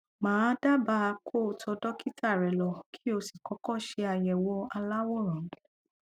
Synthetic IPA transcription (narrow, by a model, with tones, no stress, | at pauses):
mãː˨˦da˦ba˧˦˧kʰo˦˨tʰɔ˧dɔ˦ki˦tʰa˦˨ɾɛ˨lɔ˨kʰi̥˦o˧si˦˨kɔ˨˦kɔ˦˨ʃe˧a˧jɛ˨wɔ˧˦a˧la˦wɔ˦˨ɾ̃ã˨˦